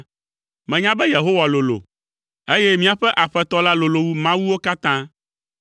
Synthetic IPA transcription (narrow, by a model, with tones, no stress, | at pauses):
mɛ̃˨ɲã˦bɛ˦je˨ɦo˦wa˨lo˨lo̰˨ | e˦jɛ˦mĩ˦a˨ɸɛ˦ʔa˨ɸɛ˦t̪ɔ˦la˦lo˨lo˨wu˦mã˦wu˦wo˦ka˦t̪ã˦